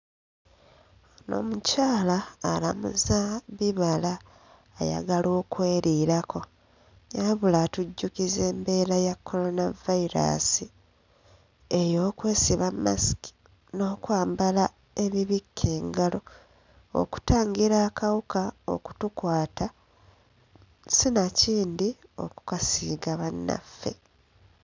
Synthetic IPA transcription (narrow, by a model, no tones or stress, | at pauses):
no̞̰mucaːlaːlamṵzaβiβalaː | ja̰ɡalo̞ːkwe̞ːɾiːɾako̞ | jaβulatuɟːukize̞ːmbe̞ːɾajakʰːo̞ɾo̞navaiɾa̰si | ejo̞ːkwe̞ːsiβama̰si̥ki̥ | no̞ːkwaːmbala | e̞βiβikʰːe̞ːŋɡalo̞ | o̰ku̥taːŋɡiɾaːkawukao̞̰ku̥tukwaːta | sinaciːndio̞̰ku̥kasiːɡaβanːa̰fːe̞̰